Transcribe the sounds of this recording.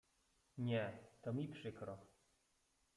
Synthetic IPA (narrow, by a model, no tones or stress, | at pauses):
ɲɛt̪ɔmʲipʂɘkɾɔ